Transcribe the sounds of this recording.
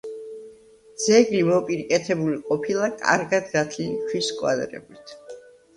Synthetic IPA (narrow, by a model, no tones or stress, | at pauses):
d̪z̥ɛɡlimɔpʼiɾikʼɛt̪ʰɛbuliqʼɔpʰilˠakʼa̰ɾɡad̪ɡat̪ʰlit͡ʃʰwiskʼwa̰d̪ɾɛ̰bit̪ʰ